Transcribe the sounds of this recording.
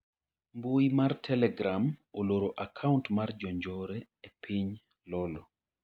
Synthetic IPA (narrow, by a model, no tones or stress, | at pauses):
mbojmartʰɛlɛɡɾamoloɾoʔakʰauntmard͡ʒɔɲd͡ʒɔɾɛ | epʰiɲ | lɔlɔ